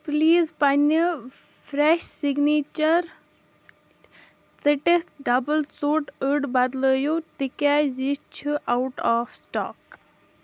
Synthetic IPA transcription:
pliːzpanə | fɾeʃsiɡniːt͡ʃɐɾ | t͡səʈeɖɐbəlt͡suːʈəɖbɐd̪ləːjut̪ikaːjzit͡ʃʰuʔawʈaːfsʈa̰ːk

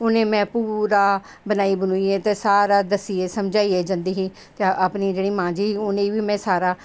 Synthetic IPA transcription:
ʊnẽːmɛ̃ːpuɾaː | bənaːiːbənuːiːeːt̪eːsaːɾaːd̪əsiːeːsəmd͡ʒaːiːeːd͡ʒãnd̪iːɦiː | tt̪eʔapniːd͡ʒeːɽiːmãːd͡ʒiːɦiːʊnẽːʋiːmɛ̃ːsaːɾaː

